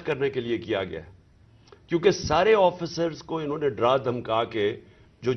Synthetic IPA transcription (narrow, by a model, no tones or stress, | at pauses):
kɐɾnekeliekija̰ɡɐ̰a̰ːɛ | kjõːkesaːɾeɔːfɪsəɾzkoɪnɦõːneɖɾaːd̪ʱɐmkaːke | d͡ʒoː